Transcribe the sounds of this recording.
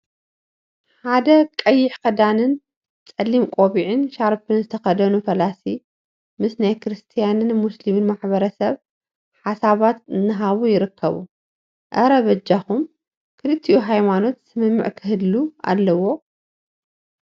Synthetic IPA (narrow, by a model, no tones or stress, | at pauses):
ħad̪ɐkʼɐjːɪħkɐd̪anɨn | t͡sʼɐlːimkʼoβiʕɨnʃaɾpɨnzɨt̪ʰɐxɐd̪ɐnufɐlasi | mɨsnajkʰɨɾɨst̪ʰijanɨnmuslimɨnmaħβɐɾɐsɐβ | ħasaβat̪ɨnːɨɦaβujɪɾɨkʰːɐβu | ʔɐɾɐβɐd͡ʒaxum | kʰɨlɨt̪ʰːiʔuɦajmano̞t̪sɨmɨmːɨ̰ʕkʰɨɦɨlːua̰lːɐwo̞